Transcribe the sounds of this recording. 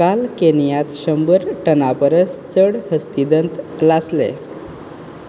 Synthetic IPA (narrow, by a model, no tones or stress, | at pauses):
kalkenijat̪ɕəmbəɾʈənapəɾəst͡səɽhəst̪id̪ənt̪laslḛ